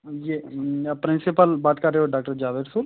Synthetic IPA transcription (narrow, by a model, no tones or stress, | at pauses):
jepɾɪ̃nsɪpəlbaːt̪kɐɾːeːɦoɖaːk̚ʈəɾd͡ʒaːʋeːʈsuːl